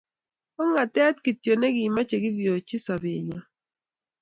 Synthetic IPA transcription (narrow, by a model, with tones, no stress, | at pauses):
ɔ˦ŋa˨tɛ˦tki˨tjo˨nɛ˦ɡɪ˨ma˦t͡ʃe˨ɡɪ˦vjo˨t͡ʃɪ˦sa˨bɪ˨ɲa˨